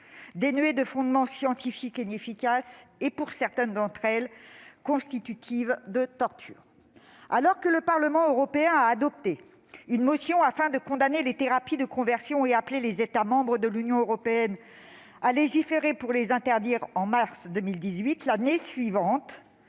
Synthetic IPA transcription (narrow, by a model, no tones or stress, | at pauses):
d̪enɥed̪əfɔ̃d̪mɑ̃sjɑ̃t̪ifikenefikʲasepuʁsɛʁt̪ɛnd̪ɑ̃t̪χɛlkɔ̃st̪it̪yt̪ʰivd̪ət̪ɔʁt̪ʰy̰ːʁ | alɔʁkələpaʁləmɑ̃øʁɔpeɛ̃aːd̪ɔp̚t̪e | ynmɔsjɔ̃afɛ̃d̪əkɔ̃d̪anelet̪eʁapid̪əkɔ̃vɛʁsjɔ̃eaplelezet̪amɑ̃bʁəd̪əlynjɔ̃øʁɔpeɛn | aleʒifeʁepuʁlezɛ̃t̪ɛʁd̪iʁɑ̃maʁsd̪əmild̪izɥit̪lanesɥivɑ̃t̪